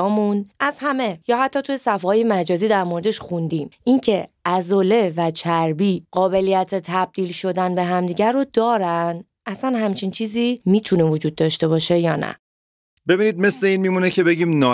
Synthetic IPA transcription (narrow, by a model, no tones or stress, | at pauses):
ɒːmunæz̥hæme̞jɒːhæt̪ʰːɒːt̪ʰuje̞sæfɒːje̞mæd͡ʒɒːziːd̪æɾmo̞ɾe̞d̪e̞ʃxund̪imʔiŋcʰe̞æzole̞væt͡ʃʰæɾbiːɢ̥ɒːbe̞lijæt̪ʰet̪ʰæb̚d̪iːlʃo̞d̪ænbe̞ɦæmd̪iːɟæɾod̪̥ɒːɾænd̪ | ʔæsænhæmt͡ʃʰint͡ʃʰiːziːmiːt̪ʰune̞vod͡ʒuːd̪̚ːɒʃt̪e̞bɒːʃe̞jɒːnæ̰ | be̞biːniːd̪̚me̞sle̞iːnmiːmunecʰe̞be̞ɟiːmnɒ